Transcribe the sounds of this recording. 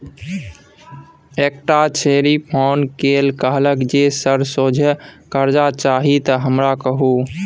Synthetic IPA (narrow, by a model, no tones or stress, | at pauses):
ek̚ʈat͡ʃʰeɾipʰonkelkəɦləkd͡ʒesəɾsod͡ʒʱkəɾd͡ʒat͡ʃaɦit̪əɦəmɾakəɦu